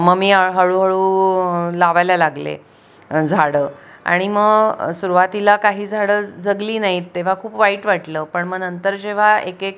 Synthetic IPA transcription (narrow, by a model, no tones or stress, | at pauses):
məɡmiːaɦəɭuɦəɭuː | laʋajlalaɡlḛ | d͡zʱaɽəːa̰ɽ̃iməɡsuɾʋat̪ilakaɦiːd͡zʱaɽəːd͡zəɡliːnaɦit̪ːeʋ̤akʰuːpʋaiːʈʋaʈləːpəɳməɡnənt̪əɾd͡ʑeʋ̤aekek̚